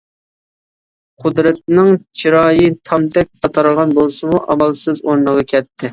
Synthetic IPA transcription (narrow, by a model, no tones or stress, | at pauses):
qʰʊd̪ɾɛt̪̚nɪŋt͡ʃʰiɾɑːjit̪ʰɑmt̪ʰɛk̚ʲqʰɑt̪ʰɑɾəʁɑnbolˠsɨmuʔɑ̰mɑlˠsɨzoɾnəʁɑkʲʰɛt̪ʰːɪ